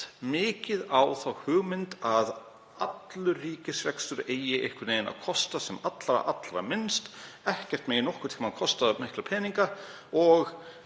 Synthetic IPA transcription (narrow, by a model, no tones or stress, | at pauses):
mɪːcɪðawθawhʏːɣmɪnt̪að | at̪lʏriːcɪsvɛksʏɾeːjɪʔejhkvʏɾneːjðɪna̰kʰɔst̪asɛmat̪la̰ʔat̪lɾa̰mɪnst̪ | ɛhcɛr̥t̪meːjɪnɔhkʏɾt̪ʰimaðkʰɔst̪aðmɪhklapʰɛːniŋka | ɔɣ